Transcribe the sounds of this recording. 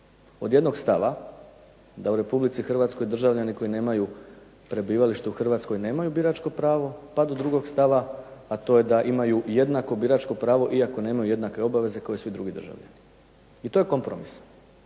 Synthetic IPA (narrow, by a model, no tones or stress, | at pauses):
o̞d̪je̞d̪no̞ɡst̪aʋa | d̪auɾe̞publit̪sixr̩ʋat̪sko̞jd̪r̩ʒaʋʎaniko̞ine̞ːmaju | pɾe̞biːʋaliʃt̪euxr̩ʋat̪sko̞jne̞ːmajubiɾat͡ʃko̞pɾaːʋo̞pad̪o̞d̪ɾuɡo̞ɡst̪aʋaat̪o̞je̞d̪aʔimajujed̪nako̞biɾat͡ʃko̞pɾaːʋo̞ʔiako̞ne̞ːmajuje̞d̪nake̞o̞baʋe̞ze̞kaojesʋid̪ɾuɡid̪ɾrʒa̰ʋʎa̰ni | it̪o̞je̞ko̞mpɾomis